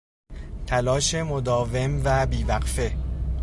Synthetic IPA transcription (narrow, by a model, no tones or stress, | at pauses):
t̪ʰælɒːʃe̞mo̞d̪ɒːve̞mvæbiːvæɢfe̞